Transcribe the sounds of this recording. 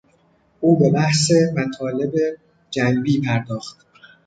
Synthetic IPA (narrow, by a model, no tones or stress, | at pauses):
ʔuːbe̞bæhsemæt̪ʰɒːle̞be̞ | d͡ʒæmbiːpʰæɾd̪ɒːxt̪̚